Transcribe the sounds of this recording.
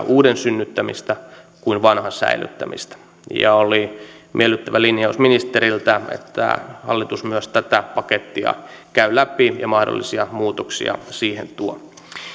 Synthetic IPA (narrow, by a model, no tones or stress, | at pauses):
ʔuːdensynːyt̪ːæmḭst̪æ | kuinʋɑnhɑsæ̰ily̰t̪ːæmḭst̪æ̥ | jɑ̰oli | mʔielːyt̪ːæʋælinjɑusminist̪eɾilt̪æḛt̪ːæ̰hɑlːit̪usmyøst̪æt̪æpɑket̪ːiɑ̰kæylæpijɑmɑhdo̰lːisiɑmuːt̪oksḭɑ̰siːhḛnt̪uo